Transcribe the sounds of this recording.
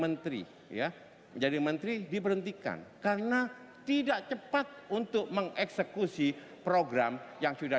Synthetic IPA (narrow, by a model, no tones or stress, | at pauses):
mənt̪ɾḭ | ja | d͡ʒadimənt̪ɾidipəɾɦənt̪ika̰nkarna | t̪idaʔt͡ʃəpat̪̚unt̪ʊk̚məŋɛksəkusi | pɾoɡɾamjaŋsuda